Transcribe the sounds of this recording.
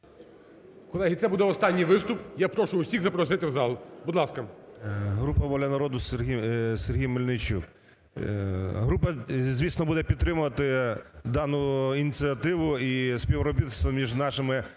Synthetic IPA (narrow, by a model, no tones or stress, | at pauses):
kɔlˠɛɦʲit̪ɛbud̪ɛɔst̪ɑnʲːijʋɪst̪ʊpjapɾɔʃʊjʊsʲiɣzɐpɾɔsɪt̪ʲɪwzɑlˠʊbud̪lˠɑskɐ | ɦɾupɐʋɔlʲɐnɐɾɔd̪ʊsiserɦʲijmɔlʲnɪt͡ʃṵk | ɦɾupɐzʲʋʲisnɔbud̪ɛpʲid̪t̪ːɾɪmʊʋɐt̪ɪd̪ɑnʊinʲit͡sʲiɐt̪ɪʋʊisʲpʲiʋɾɔbʲit̪st̪ʋɔmʲiʒnɑʃɪmɪ